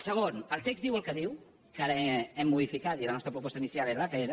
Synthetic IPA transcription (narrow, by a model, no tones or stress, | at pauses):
səɣ̞onəlˠt̪ekzd̪iwəlkəðiw | kaɾəɛmːuðifikat̪ilənɔst̪ɾəpɾupɔst̪əinisialezləfɛɾə